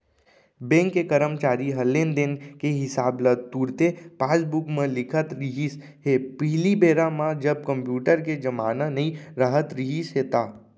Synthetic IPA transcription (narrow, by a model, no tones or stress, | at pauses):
bẽːŋkːekəɾəmt͡ʃaːɾiɦəlːẽːnd̪enkeɦɪsaːbləd̪̚t̪uːɾt̪epaːsbukmẽlɪkʰət̪ɾiɦis | ɦepɪɦlibeːɾamãd͡ʒəb̚kə̃mpjuːʈəɾked͡ʒəmaːnənəĩɾəɦət̪ɾiɦisɦet̪aː